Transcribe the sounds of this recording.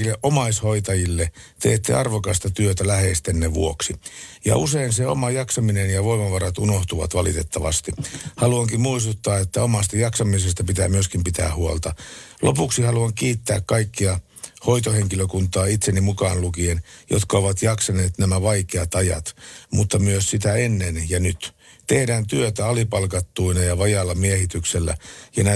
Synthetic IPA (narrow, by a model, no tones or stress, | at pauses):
ilːeʔomɑishoit̪ɑjilːe | t̪ḛːt̪ːḛɑrʋokɑst̪ɑt̪yøt̪ælæhest̪enːeʋṵoksijɑ̰useinseo̰mɑjɑksɑminenjɑʋoimɑʋɑrɑt̪unoht̪uʋɑ̰t̪ʋɑlḭt̪et̪ːɑʋɑ̰st̪ihɑluɑŋkimmuist̪ut̪ːɑːet̪ːæomɑst̪ɑjɑksɑmisest̪ɑpit̪æ̰ːmyøskimpit̪æ̰ːhuolt̪ɑlʔopuksihɑluɑŋkiːt̪ːæ̰ːkkɑikːiɑ | ho̞it̪oheŋkiløkunt̪ˑɑːit̪senːimukɑːnlukienjo̰t̪kɑoʋɑt̪jɑksɑneːt̪næmæʋɑikeɑt̪ɑjɑ̰t̪mut̪ːɑmyøssit̪æenːenjɑnyt̪ | t̪ehdæːnt̪yøt̪æɑlipɑlkɑt̪ːuinɑjɑʋɑjɑlːɑmiehit̪ykselːæ̰jɑnæ